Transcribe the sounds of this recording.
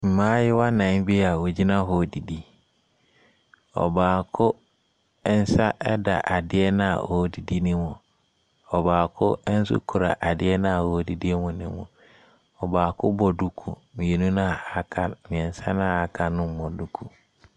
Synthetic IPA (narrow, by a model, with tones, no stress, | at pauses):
m̩˨mãː˦jɪ˦wa˦nã˨˦ŋ˦bi˦a˨wo˨d͡ʑi˦nã˦ɦɔ˨di˨di˦ | ɔ̰˨baː˨kʰʊ˦ | ɛ˦n̩˦sa˦ʔɛ˦da̰˨ʔa˨dɪ˦ɛ˦nã˦a̰˨ʔɔ˦di˨di˦nɪ̃˦mʊ̃˨ | ɔ˨baː˨kʰʊ˦n̩˦s̬ʊ̰˦kʰʊ˨ɾa̰˨ʔa˨dɪ˦ɛ˦nã˦a˨hɔ˨˦˨di˨di˦ɛ˦mʊ̃˨nɪ̰̃˦mʊ̰̃˨ | ɔ˨baː˨kʰʊ˦bɔ˨du˦kʰṵ˨ | mĩ˨e˨nũ˦nã˦˨a˨kʰa˨mɪ̃˨ɛ˨n̩˨˦sa˦nã˦˨a˨kʰa˨nʊ̃˦m̩˦mɔ̃˨du˦kʰu˨